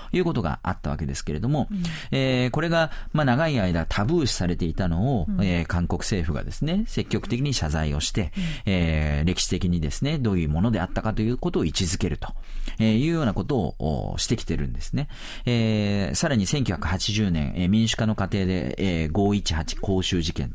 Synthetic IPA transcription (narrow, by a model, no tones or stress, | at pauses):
jɯ̟ːko̞t̪oɡa̰a̰t̪ːaβa̰ke̞d̪e̞sɨ̥ke̞ɾe̞d̪o̞mo̞ | eːko̞ɾe̞ɡamanaɡaiaid̪at̪ʰabɯ̟ːɕi̥saɾe̞t̪e̞it̪ano̞oeːkãŋko̞kɯ̟̥se̞ːɸɯ̟ɡa̰d̪e̞sɨne̞se̞kʲːo̞kɯ̟t̪e̞kʲiɲ̟iɕazaio̞ɕi̥t̪e̞eːɾe̞kʲi̥ɕi̥t̪e̞kʲiɲ̟id̪e̞sɨne̞d̪o̞ːjɯ̟ːmo̞no̞d̪e̞at̪ːakat̪o̞jɯ̟ːko̞t̪o̞ːit͡ɕizɨke̞ɾɯ̟t̪o̞̥ejɯ̟ːjo̞ːnako̞t̪o̞̰ːɕi̥t̪e̞kʲi̥t̪e̞ɾɯ̟̰̃nd̪e̞sɨ̥ne̞ | eːsaɾaɲ̟isẽ̞ŋkʲo̟çʲjḁkɯ̟hat͡ɕiʑɨːnẽ̞̰ŋemʲĩɰ̃ɕɨ̥kano̞kat̪e̞ːd̪e̞̰ɡo̞ːit͡ɕi̥hat͡ɕi̥ko̞ːɕɨːʑikẽ̞̰n